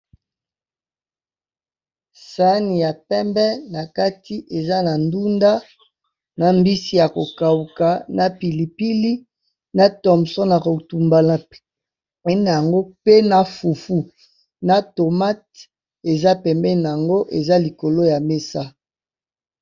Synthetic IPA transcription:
sa˦ni˨ja˨pɛ˦mbɛ˦na˨ka˦ti˦ʔe˨za˦na˨ndu˦nda˦ | na˨mbi˦si˦˨ja˨ko˨ka˨u˨ka˨na˨pi˨li˨pi˦li˦ | na˦tɔ˨msɔ˦na˨ko˨tu˨mba˨la˨ | ɛ˦n˨ja˨ŋɡo˦pe˦na˨fu˨fu˦ | na˨to˨ma˦t | e˨za˦pɛ˨mbɛ˦na˨a˨ŋɡo˦ʔe˨za˦li˨ko˨lo˦ja˨me˦sa˦

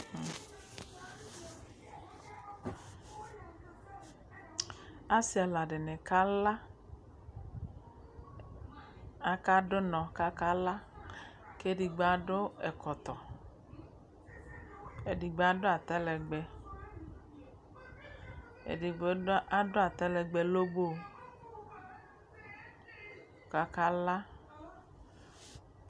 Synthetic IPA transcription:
a˦si˦a˨la˨ɖe˨ne˨ka˦la˦ | a˨ka˦ɖo˦nɔ̃˨ka˦ka˦la˦ | ke˦di˨ɡ͡ba˨˦ɖo˦ɛ˨kɔ˨t̪ɔ˨ | e˨di˨ɡ͡be˦˨a˦do˦a˨t̪ɛ˦lɛ˨ɡ͡bɛ˨ | ḛ˨di˨ɡ͡ba˦do˦a˨t̪ɛ˦lɛ˨ɡ͡bɛ˨lo˦bo˦˨ | ka˨ka˦la˦

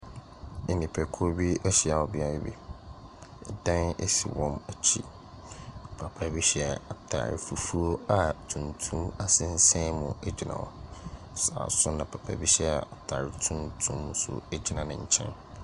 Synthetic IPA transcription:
ɪ˨nĩ˨pʰɛ˨kʰʊ˦ɾbi˦ɛ˦ɕɛ˨a˨wɔ˨bi˨˦a˨ɾɛ˦bḭ˦˨ | ɛ̰˨dã˦nɛ̰˦sḭ˨wɔ̃˦mæ˨t͡ɕʰḭ˦˨ | pʰa˨pʰa˦bi˦ɕɛ˦˨a˨tʰa̰ː˨ɾfu˨fu˦o˦a˨tʰũ˨ntʰũ˦ma˦sɪ̃˦n̩˦sɛ̃˦mʊ̃˨ɛ˦d͡ʑi˨nã̰˨wɔ̰˨ | sa̰ː˨sʊ˦nã˨pʰa˨pʰa̰˨bi˦ɕɛ˦˨a˨tʰaː˨ɾtʰũ˦ntʰũ˦mːʊ̃˦sʊ̰˨e˦d͡ʑi˨˦nã˨nɪ̃˨ɲ̩˨t͡ɕʰɛ̰̃˦n

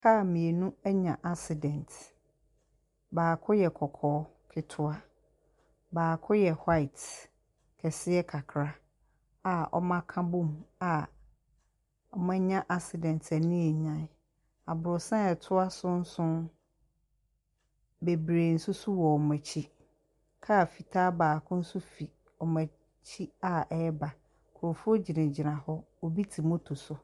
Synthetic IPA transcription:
kʰa˦˨mĩ˨e˨nũ˦ɛ˦ɲã˨ʔa˦ksɪ˨dɛ̃˨ntʰ | baː˨kʰʊ˦jɛ˨kʰɔ˨kʰɔː˨˦ | kʰɪ˦tʰʊ˦a˦ | baː˨kʰʊ˦jɛ˨ha˦ɪ˨t | kʰɛ˨sɪ˦ɛ˦kʰa˨kʰɾa˦ | a˨ɔ̰˦mã˦kʰã˦bũ˦m˨a˨ | ɔ˨mã˦ɲã˦ʔa˦ksɪ˨dɛ̃˨n˨tʰæ˨nĩ˦ɛ˨ɲã˦˨n˦ | a˨bʊ˨ɾʊ˨sã˦ɛ˨tʰʊ˦a˦sʊ̃˦n̩˦sʊ̃˦n | be˨bɾeː˨n̩˨sʊ˦sʊ˦wɔ˨ɔ˨mæ̃˨t͡ɕʰi˦ | kʰa˦˨fi˨tʰaː˦baː˨kʰʊ̃˦n̩˦sʊ˦fi˨ | ɔ˨mæ̃˨ | t͡ɕʰi˦a˨ɛ˦ɛ˦ba˨ | kʰʊ˨o˨fʊ˦o˦d͡ʑi˨nɪ̃˨d͡ʑɪ˨nã˨hɔ˦ | ɔ˨bi˦tʰi˨mo˦tʰo˨sʊ˨

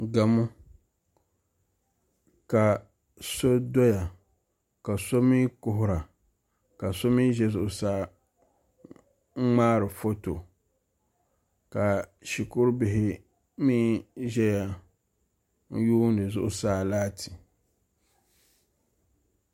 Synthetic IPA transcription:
ɡa˨mʊ˦ | ka˨ | so˦do˦ja˨ | ka˨so˦mi˦kʊ˦ɦʊ˦ɾa˨ | ka˨so˦mi˦ʒɛ˦zʊ˦˨ʔʊ˨saː˦ | ŋ͡maː˦ɾɨ˨fo˦to˨ | ka˨ʃi˨kʊ˦ɾbɪ˨ɦɪ˦ | miː˦ʒɛ˦ja˦ | n̩˦juː˦n˦dɨ˨zʊ̰˦ʔʊ˦saː˦laː˦tʰi˨

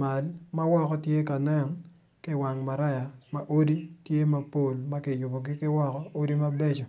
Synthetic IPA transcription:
ma˨lma˦wɔ˦kɔ˦tje˦ka˨nɛ˦ŋ | kɪ˦wa˨ŋma˨ɾa˦ja˨ma˨ʔo˦di˦tje˦ma˨po˨lma˦kɪ˨jʊ˨bo˨ɡɪ˦kɪ˦wɔ˦kɔ˦o˦di˦ma˦bɛ˦t͡ʃɔ˨

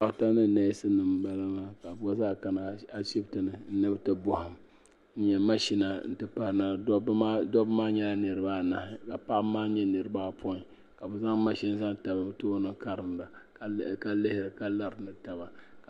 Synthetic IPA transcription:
a˦ʔta˦nɨ˦˨nɛ˦sɨ˦nɨ˨mba˦la˦maː˦ka˨bu˦a˦zaː˦ka˨na˨a˨ʃi˦btɨ˨nɨ˨n̩˦nɨ˦btɨ˦bʊ˨hʊ˨m | n̩˦ɲɛ˨ma˦ʃi˦na˨n̩˦tɨ˦pa˦˨na˨˦bdɔ˦bmaː˦ɲɛ˦la˦nɨ˨ɾɨ˦baː˦˨na˨hɪ˨ka˨pa˦ʔmaː˦ɲɛ˦nɨ˨ɾɨ˦baː˦pʰo˦ɪ˨ | ka˨bɨ˨za˦ŋ˦ma˦ʃi˦n˦za˦ŋta˨ba˨btoː˦nɨ˨ka˦ɾɨ˨mla˨˦ | ka˨lɪ˦hɪ˦ɾɨ˨ka˨la˦ɾnɨ˨ta˨ba˨ka˨

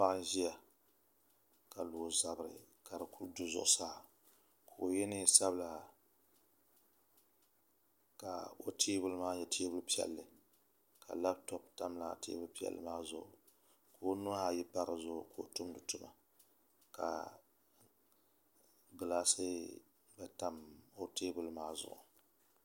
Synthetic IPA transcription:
pa˦ʔn˦ʒi˦ja˨ | ka˨lo˨za˨bɾɨ̰˨ | ka˨ɾɨ˨ku˦ɾdu˦zʊ̰˦˨ʔʊ˦saː˦˨ | kʰo˨o˨jɛ˦nɨ˦sa˦bla˨ | ka̰˨o˦tʰeː˦bʊ˦lmaː˦jɛ˨tʰeː˦bʊ˦lpi˦ɛ̰˨lːɨ˨ | kʰa̰˨la˦b̚tɔ˦p̚ta˦mla˨tḛː˦bʊ˦lpi˦ɛ̰˨lːɨ̰˦maː˦zʊ˨ʔʊ˨ | ko˨o˦nʊ˦ha˦˨jɛ˦pa˦ɾɨ˨zʊ˦˨ʊ˨ko˨o˨tʊ˦mdʊ˨tʊ˦ma˨ | ka̰˨ | ɡɨ˨laː˦sɨ˦ | bɛ˨ta˦mo˦teː˦bʊ˦lmaː˦zʊ̰˨ʔʊ̰˨

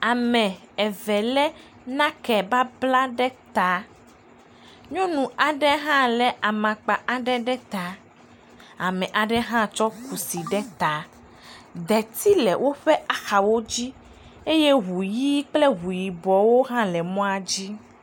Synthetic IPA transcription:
a˨mɛ̃˨ | ɛ˨vɛ˨lɛ˦ | nã˦kɛ˨ba˦bla˦ɖɛ˦t̪a˨ | ɲɔ̃˦nũ˨a˨ɖɛ˦ɦã˦lɛ˨a˨mã˨k͡pa˨ʔa˨ɖɛ˦ɖɛ˦t̪a˨ | a˨mɛ̃˨ʔa˨ɖɛ˦ɦã˦t͡ʃɔ˦ku˨si˨ɖɛ˦t̪a˨ | d̪ɛ˨t̪i˦lɛ˨wʔo˦ɸɛ˦ʔa˨xa˨wo˦d͡ʑi˦ | e˦je˦ɦu˨ji˦k͡ple˦ɦu˨ji˨bɔ˨wo˦ɦã˦lɛ˨mɔ̃˦a˨d͡ʑi˦

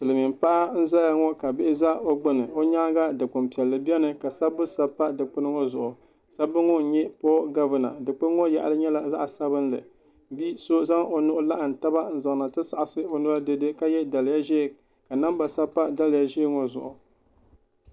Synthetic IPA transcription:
sɨ˨lɨ˨mi˨mpa˦ʔa˦n̩˦za˦ja˨ŋɔ˦ka˨bɪ˦ɪ˦za˦o˦ɡ͡bɨ˦nɨ˨o˦ɲa˦ɡa˦dɨ˨k͡pɨ˨mpi˨ɛ˨lːɨ˨bɛ˦nɨ˨ka˨sa˦bɨ˦sa˦pːa˦dɨ˨k͡pɨ˦nɨ˦ŋɔ˦zʊ˨ʔʊ˨ | sa˦bɨ˦ŋɔ˦n̩˨ɲɛ˦pɔ˦ɡa˦vɨ˨na̰˨dɨ˨k͡pɨ˦n˦ŋɔ˦ja˨ʔa̰˨lɨ˦ɲɛ˦la˨za˦ʔsa˦βɨ˦n˦lɨ̰˨ | bi˦so˦za˦ŋo˨nʊ˦ʔʊ˦la˦ʔa˨n̩˨ta˦ba˦n̩˦˨za˨ŋ˨na˨tɨ˦sa˨ʔa˨sɨ˦o˨nɨ˦la˦dɨ˦dɨ˦ka˦jɛ˦da˨lɪ˨ja˦ʒeː˦˨ | ka˨na˦mba˨sa˦pːa˦da˦lɨ˦˨ja˦ʒe˦ŋɔ˦zʊ̰˨ʔʊ˨

